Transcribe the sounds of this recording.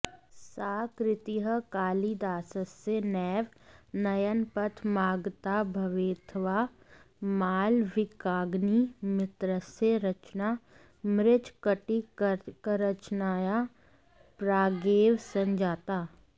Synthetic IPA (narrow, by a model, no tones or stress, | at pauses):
saːkɾɪt̪iɦəkaːlid̪aːsəsenɛːʋnɐjənpət̪ʰmaːɡt̪aːbʱɐʋeːt̪ʰʋa | maːlʋɪkaːɡnimɪt̪ɾəseɾɐt͡ʃnaː | mɾɪt͡ʃkəʈikəɾət͡ʃnaːja | pɾaːɡeːʋsɐ̃nd͡ʒaːt̪aː